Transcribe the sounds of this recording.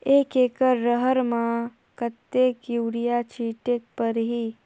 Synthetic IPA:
eːkeːkəɾːəɦəɾmã | kət̪ːekiwɾijat͡ʃʰiːʈek̚pəɾɦiː

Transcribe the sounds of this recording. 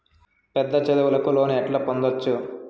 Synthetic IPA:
pɛd̪ːɐt͡ʃed̪ɐʋɐlɐkulo̞ːniɛʈlaːpond̪ot͡ʃːu

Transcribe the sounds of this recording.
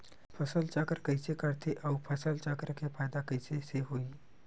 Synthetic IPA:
pʰəsəlt͡ʃaːkəɾkəɪsekəɽt̪ʰeʔɔːpʰəsəlt͡ʃaːkəɾkepʰaːjd̪akəɪseseɦoːi

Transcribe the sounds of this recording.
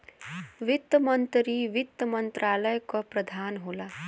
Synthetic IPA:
ʋit̪ːəmʌnt̪ɾiʋit̪ːəmʌnt̪ɾaːləjkɔpɾʌd̪ʱaːnɦoːla

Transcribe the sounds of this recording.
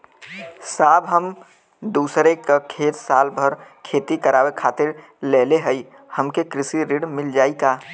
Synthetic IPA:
saːbɦəm | d̪uːsɾekəkʰet̪salbʱəɾkʰet̪ikəɾawekʰat̪ɪɾ | leleɦəi | həmkekɾɪsiɾiɽmɪld͡ʒaːika

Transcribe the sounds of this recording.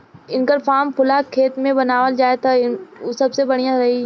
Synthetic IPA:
ɪnkəɾfaːmpʰʊlakʰːeːt̪mẽbɐnaːʋəld͡ʒaːet̪ʰaɪnosɐbsebɐɽ̤ijãɾɐɦi

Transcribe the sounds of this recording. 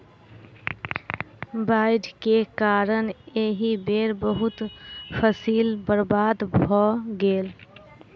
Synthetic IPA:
baɪɖkekaːɾəneɦibeːɾbəɦʊt̪pʰəsiːlbəɾbaːd̪bʱɔɡeːl

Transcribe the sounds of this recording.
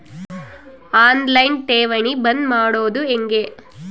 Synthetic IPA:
aːnlɐjnʈeːʋɐɳibɐnmaːɽoːd̪ueŋɡe

